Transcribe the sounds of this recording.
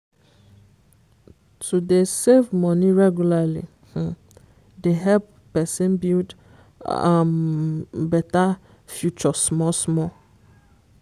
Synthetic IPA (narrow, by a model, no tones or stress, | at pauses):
tudesevmɔ̃niɹɛɡjulalḭ | deɦɛpːɛsɛ̃nbild | am | bɛta | fjut͡ʃɔsmɔsmɔ